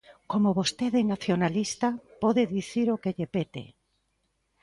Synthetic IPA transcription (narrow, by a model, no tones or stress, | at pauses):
komoβost̪eðenaθjonalist̪apɔðeðiθiɾokeʎepet̪ḛ